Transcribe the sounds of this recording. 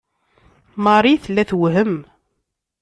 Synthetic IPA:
mɑɾˤiθlːæθwɦəm

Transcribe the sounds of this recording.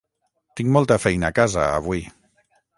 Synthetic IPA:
t̪iŋmɔlˠt̪əfɛjnəːkazə̰ːβwi

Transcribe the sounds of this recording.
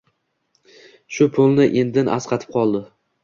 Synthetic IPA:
ʃʊpʰʊlˠnɪʔend̪ɪna̰sqʰɑt̪ʰɪ̥p̚qʰɒlˠd̪ɪ

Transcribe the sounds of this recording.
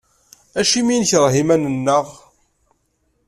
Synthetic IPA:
æʃimijənçəɾˤɦimænənːəʁ

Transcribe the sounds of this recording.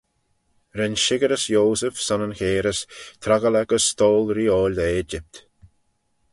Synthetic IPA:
ɾɪnʃɪɡəɾəsjoːsəfsanənxeːɾəst̪ʰɾaɡəlɛɡəst̪oːlɾiːoːlʲd̪əeːd͡ʒɪp̚t̪

